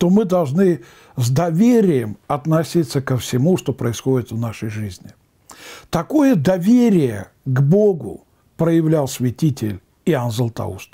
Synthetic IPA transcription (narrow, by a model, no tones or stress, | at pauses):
t̪omɨd̪ɐlˠʐnɨ | zd̪ɐvʲeɾʲɪjəmɐt̪nɐsʲit̪sːəkəfsʲɪmuʂt̪o̞pɾəɪsxo̞dʲɪt̪vnaʂəjʐɨzʲnʲɪ | t̪ɐkojəd̪ɐvʲeɾʲɪjə̰ | ɡbo̞ɡʊ̰ | pɾəjɪvlʲalˠsʲvʲɪtʲitʲɪlʲ | ɪanzəlˠt̪ɐ̰ṵst̪